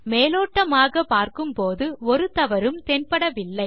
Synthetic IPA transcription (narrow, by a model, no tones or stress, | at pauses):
meːloːʈːɐmaːɣɐpaːɾkɯmpoːðɯɔɾɯt̪ɐʋɐɾɯmt̪ɛnpɐɽɐʋɪlːɐɪ